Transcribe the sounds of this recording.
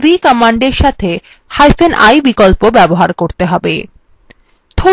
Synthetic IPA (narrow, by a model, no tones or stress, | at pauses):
d̪ikɔmaɳɖeɾʃat̪ʰe | hajfenʔa̰jbikolpobɛboɦaɾkoɾt̪eɦɔbḛ | t̪ʰo